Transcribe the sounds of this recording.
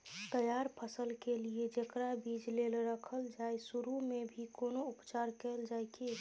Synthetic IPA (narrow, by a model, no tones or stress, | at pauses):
t̪əjaɾpʰəsəlkelied͡ʒekɾabid͡ʒlelɾəkʰəld͡ʒaːesuɾumebʱikoːnoʊpt͡ʃaɾkɛld͡ʒajke